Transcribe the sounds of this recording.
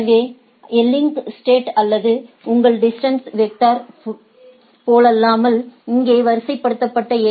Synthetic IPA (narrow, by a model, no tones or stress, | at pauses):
ʋeː | ɛlːɪŋksʈeːʈɐlːɐðɯ | ʊŋɡɐɭɖɪsʈɐnsʋek̚ʈ̪aːɾ | poːlɐlːaːmɐlɪŋɡeːʋɐɾsɐɪpːɐɽɯt̪ːɐpːɐʈːɐe